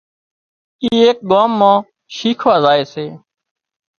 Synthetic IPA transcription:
iːeːk̚ɠaːmːãː | ʃiːkʰʋaːzaːeːseː

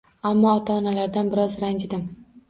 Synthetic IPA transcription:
amːɒːt̪ʰɒːnalaɾd̪anbɪɾɒzɾand͡ʒɪd̪ɪm

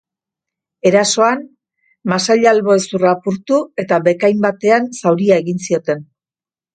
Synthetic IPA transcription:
e̞ɾaso̞an | masaʎalβo̞esurapuɾt̪ue̞t̪aβe̞kajmbat̪e̞ansawɾiaeɣinsio̞t̪e̞n

